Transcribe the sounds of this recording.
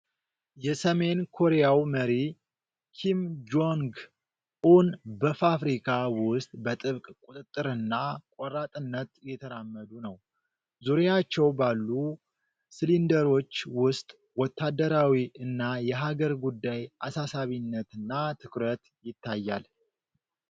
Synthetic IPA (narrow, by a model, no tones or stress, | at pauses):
jɛsəme̞nkʰo̞ɾejawməɾi | kʰimd͡ʒoŋɡ | ʔunbəfafɾikʰawʊst̪ʼbət̪ʼɨβkʼkʼut̪ʼɨt̪ʼːɨɾɨnːakʷʼɔɾat̪ʼɨnːət̪jɛt̪ʰəɾamːəd̪unəw | zuɾjat͡ʃːɛwbalːu | sɨlind̪əɾo̞t͡ʃːwʊst̪ʼ | wɔt̪ʰːad̪əɾawiʔɨnːajɛɦaɡəɾɡud̪ːajʔasasaβinːət̪ɨnːat̪ʰɨkɾət̪ | jɪt̪ʰːajːa̰l